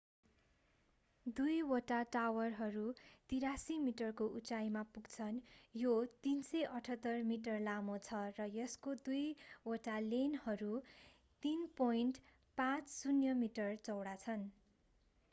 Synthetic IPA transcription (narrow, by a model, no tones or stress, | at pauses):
d̪ujwʌʈaʈawʌrɦʌɾut̪iɾasimiʈʌrkoʔut͡sajmapuɡt͡sʰʌnjot̪insʌjʔʌʈʰʌt̪ːʌrmiʈʌrlamot͡sʰʌrʌjʌskod̪ujwoʈalenhʌɾu | t̪inpojnʈ | pãt͡ssunjʌmiʈʌrt͡sʌwɽat͡sʰʌn